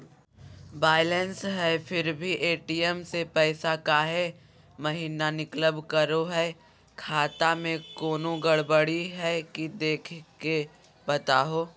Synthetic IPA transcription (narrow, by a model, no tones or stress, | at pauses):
baːɪlɛnsɦɛfɪɾbʱiʔeːʈiːɛmsepɛːsakaːɦe | mɐɦiːnanɪkləbkɐɾoɦɛ | kʰaːt̪amẽkoːnõɡɐɽbəɽiɦɛkid̪eːkʰke | bɐt̪aːɦoː